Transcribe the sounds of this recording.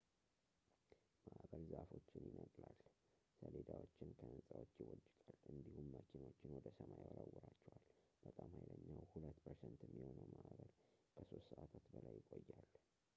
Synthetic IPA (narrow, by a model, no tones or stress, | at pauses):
maʔβəlzaʔafo̞t͡ʃːɪnjɪnəkʼlal | səled̪awot͡ʃːɪnkʰəwɨnsʼawot͡ʃːɪwɔd͡ʒɪkʼalɨnd̪ihumːat͡ʃːɪno̞t͡ʃːɪnwɔd̪əsəmajwɾawːɔɾat͡ʃːɛwalb̥ət̪ʼamhajləɲːawhulət̪ːpʰəɾsɛnt̪ɛmːiho̞nəwmaʔβəlkʰəso̞st̪səʔat̪ʰat̪bəlajːɪkʼojːal